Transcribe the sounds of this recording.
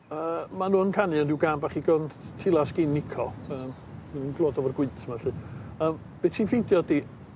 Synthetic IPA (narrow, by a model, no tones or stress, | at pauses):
əːmanuːənkʰanɨɔndɪwɡaːnbaχiɡɔntʰɪlˠasɡ̥enːɪkʰɔəːm | ninɡlˠoːdɔvərɡwɪɨtʰəmaɬɨəːm | b̥etʰiːnfendjɔdi